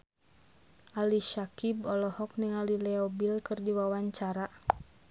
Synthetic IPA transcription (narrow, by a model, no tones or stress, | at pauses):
ʔaliʃakibɔlɔhɔk̚niŋalilɛɔbilkɨrdiwawaɲt͡ʃaɾa